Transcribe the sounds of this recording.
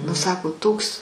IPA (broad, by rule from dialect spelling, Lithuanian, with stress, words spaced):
nʊ ˈsɑːkoː ˈtoːks